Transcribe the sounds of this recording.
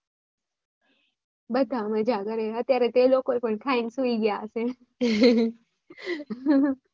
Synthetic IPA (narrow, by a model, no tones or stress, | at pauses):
bəd̪ʱaməd͡ʑʱakəɾeət̪jaɾet̪elokoɾpəɳkʰainsuiɡjaəse